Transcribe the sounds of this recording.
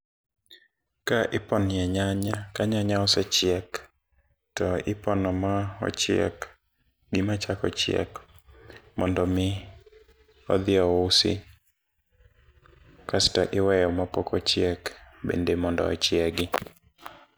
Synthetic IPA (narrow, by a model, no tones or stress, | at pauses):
kaʔɪpɔnɪjɛɲaɲakaɲaɲaɔsɛt͡ʃjɛk | tɔɪpɔnɔmaɔ̰t͡ʃjɛ̰k | ɡɪmat͡ʃakɔ̰t͡ʃjɛ̰k | mɔndɔmɪ | ɔ̰d̪ɪɔʊsɪ̰ | kasɪ̥tɔʔɪwɛjɔmapɔkɔt͡ʃjɛkbḛndemɔndɔ̰ɔ̰t͡ʃjɛɡɪ